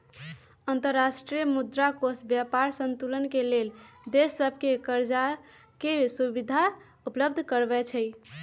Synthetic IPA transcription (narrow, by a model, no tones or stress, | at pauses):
ənt̪əɾːasʈɾijəmud̪ɾakosbjapaɾsənt̪ulənkeleld̪esːəbʱkekəɾd͡ʒa | kesubid̪ʱa | upləbd̪ʱkəɾbɛt͡ʃʰəj